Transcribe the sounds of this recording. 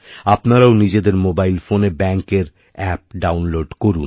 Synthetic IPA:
apnaɾaonid͡ʑed̪eɾmobajlfonebɛŋkeɾ | ɛp̚ɖawnloɖkoɾun

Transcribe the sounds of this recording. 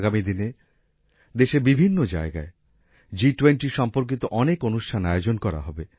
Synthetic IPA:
ɡamid̪ine | d̪eʃebibʱinːod͡ʑa̰eɡae | d͡ʑiʈweɳʈiʃɔmpoɾk̬it̪oʔɔnekonuʃʈʰanajod͡ʑonkɔɾa̰ɦɔbe

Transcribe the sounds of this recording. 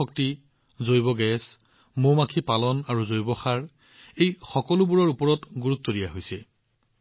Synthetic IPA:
ɔk̚ti | zojbɔɡɛs | momakʰipalɔnaɹuzojbɔxaɹ | ejxɔkɔlubuɹɔɹupɔɹɔtɡuɹut̪ːoɹijaɦojsɛ

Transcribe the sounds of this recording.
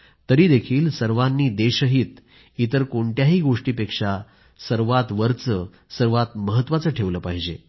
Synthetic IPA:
t̪əɾiːd̪ekʰiːlsəɾʋanːiːd̪eɕəɦiːt̪ | it̪əɾkoɳʈjaɦiːɡoʂʈiːpekʂa | səɾʋat̪ʋəɾt͡sə | səɾʋat̪məɦət̪ːʋat͡səːʈʰeʋləːpaɦid͡ʑe

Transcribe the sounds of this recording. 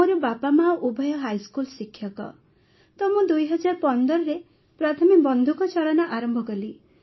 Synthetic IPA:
oɾɔbapamaɔʔubʱɔjɔɦajskulsikʰjɔkɔ̰ | t̪ɔmũd̪ujɦɔd͡ʒaɾɔpɔnd̪ɔɾɔɾe | pɾat̪ʰɔmikbɔnd̪ʱukɔt͡ʃɔɭanɔʔaɾɔmbʱɔkɔli

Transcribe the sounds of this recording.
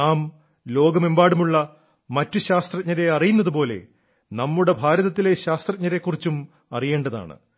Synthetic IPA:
aːm | lo̞ːɡɐmembaːɽumuɭːɐ | mɐtːuɕaːst̪rɐɲɐɾe̞ɐrijunːɐðupo̞ːle̞̰ | nɐmːuɽe̞bʱaːɾɐðɐt̪ːile̞ɕaːst̪rɐt̚ɲɐɾe̞kːurit͡ɕːum | ɐrije̞ːɳɖɐða̰ːɳɨ̰

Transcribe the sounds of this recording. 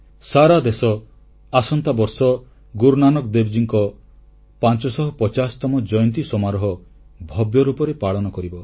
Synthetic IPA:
saɾad̪esɔ | asɔnt̪abɔɾsɔ | ɡuɾnanɔkd̪ebd͡ʒiŋkɔ | pant͡ʃɔsɔɦɔpɔt͡ʃast̪ɔmɔd͡ʒɔjɔnt̪̬isɔmaɾɔɦɔ | bʱɔbjɔɾupɔɾepaɭɔnɔkɔɾibɔ

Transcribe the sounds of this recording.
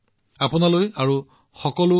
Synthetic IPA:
apʊnalojaɹu | xɔkɔlʊ

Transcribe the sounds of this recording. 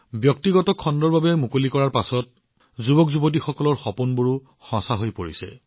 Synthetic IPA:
bjɔk̚tiɡɔtɔkʰɔndɔɹbabɛmukolikɔɹaɹpasɔt̚ | zubɔkzubot̬ixɔkɔlɔɹxɔpunbuɹu | xɔ̃saɦojpoɹḭsɛ̰

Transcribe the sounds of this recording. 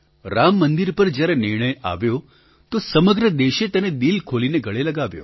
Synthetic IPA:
ɾamːənd̪iɾpəɾd͡ʒjaɾenɪɾɳəja̰ʋjo | t̪osəməɡɾəd̪eʃet̪əned̪ilkʰolineɡʱəɭeləɡaʋjo̰

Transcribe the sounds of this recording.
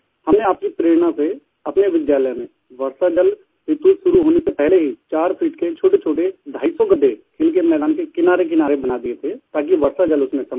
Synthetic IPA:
hɐmneaːp̚kipɾeːɾɽ̃ãse | ɐpneʋɪd̪jaːləjmẽ | ʋɐɾsad͡ʒɐl | ʋɪt̪uːʃʊɾuɦoːnesepɛɦleɦit͡ʃaːɾpʰiːʈket͡ʃʰoːʈet͡ʃʰoːʈed̪ʱaːisɔɡɐd̪ekʰeːlk̬emɛːd̪aːnkekɪnaːɾek̬ɪnaːɾebɐnad̪iet̪ʰet̪aːk̬iʋɐɾsad͡ʒɐlʊsmẽsɐm

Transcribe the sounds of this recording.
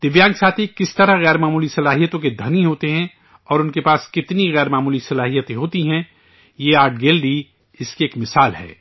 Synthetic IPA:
t̪ɪʋjãːŋɡsaːt̪ʰikɪst̪ɐɾaɦɣɛːɾmaːmuːlisɐlaːɦijət̪õked̪ʱɐnĩɦoːt̪eɦɛ̃ | ɔːɾʊnkepaːskɪt̪niɣɛːɾmaːmuːlisɐlaːɦijət̪ẽɦoːt̪iɦɛ̃ | jeaːɾɖ̚ɡeːlɖi | ɪskieːkmɪsaːlɦɛ̰ː

